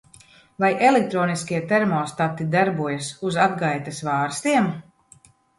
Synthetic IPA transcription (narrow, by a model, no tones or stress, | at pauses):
vajʔelek̚t̪ɾɔːniskʲiɛt̪ɛɾmɔːst̪at̪ːid̪aɾbuɔjasuzad̪ɡajt̪asvaːɾst̪iɛm